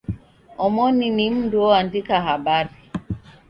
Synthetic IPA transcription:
ɔmɔninim̩duɔandikaɦabaɾi

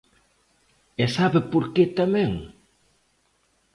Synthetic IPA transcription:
ɛsaβepuɾket̪amɛŋ

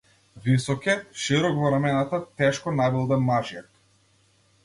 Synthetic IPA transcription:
visɔkʲɛʃiɾɔkvɔɾamɛnat̪at̪ɛʃkɔnabilˠd̪ɛmːaʒiɛk

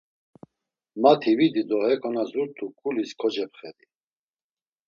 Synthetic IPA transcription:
mat̪ʰivid̪id̪ɔhɛkʰʼɔnazuɾt̪ʰukʼuliskʰɔd͡ʒɛpχɛd̪i

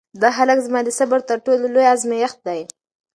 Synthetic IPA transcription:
d̪ɑɦalakzmɑd̪əsabaɾt̪əɾʈollojazmejaxt̪̚d̪aj

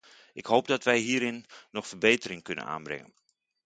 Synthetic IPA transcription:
ʔɪkhoːp̚dɔtʋɛjɦiːɾɪnːɔxfərbeːtərɪŋkɵnə̰na̰ːnbrɪ̰ŋə̰n

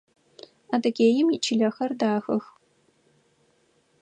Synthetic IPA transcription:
adɐɡʲeːjɪmit͡ʃʰiɮɐxɐrdaːxɐx

